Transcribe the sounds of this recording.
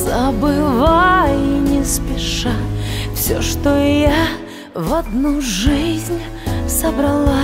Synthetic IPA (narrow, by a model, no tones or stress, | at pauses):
zəbɨvainʲɪspʲɪʂafsʲoʂt̪oja | vɐd̪nuʐɨzʲnʲ | səbɾɐlˠa